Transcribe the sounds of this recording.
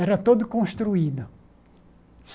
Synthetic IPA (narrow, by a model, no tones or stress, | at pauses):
ɛɾɐt̪od̪ʊkõst̪ɾuid̪ʊ | s